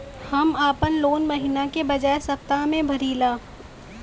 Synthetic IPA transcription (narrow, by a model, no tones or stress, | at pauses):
hɐmaːpənloːnmɐɦiːnakebɐd͡ʒaːesɐp̚t̪amẽbʱɐɾiːlaː